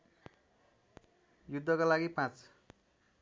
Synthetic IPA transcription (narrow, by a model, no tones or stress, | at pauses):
jud̪ʱːʌkalaɡipãt͡s